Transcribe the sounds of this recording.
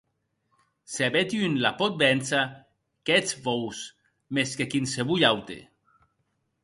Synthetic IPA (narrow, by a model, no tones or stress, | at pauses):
seaβet̪iynlapɔt̪̚bɛnsa | kɛt͡svows | meskekinseβujawt̪ḛ